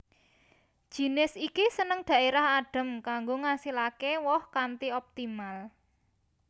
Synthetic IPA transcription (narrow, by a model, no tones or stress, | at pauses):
d̥ʒ̥i̤nɪsikisənəŋd̪̥ä̤ʔeɾahaɖ̥ə̤mkaŋɡoŋasilakewɔhkant̪iɔp̚t̪imal